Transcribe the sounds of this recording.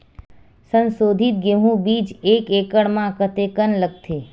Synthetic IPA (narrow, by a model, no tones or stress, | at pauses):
sənsod̪ʱit̪̚ɡem̤ũbid͡ʒekekəɽmãkət̪ekənləɡ̚t̪ʰe